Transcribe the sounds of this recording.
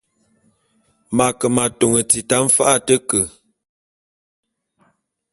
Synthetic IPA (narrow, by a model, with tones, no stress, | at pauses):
ma˨kə˨ma˨to˨ŋə˨t͡si˨ta˦m̩˦fa˦ʔa˦˨tə˦kə˨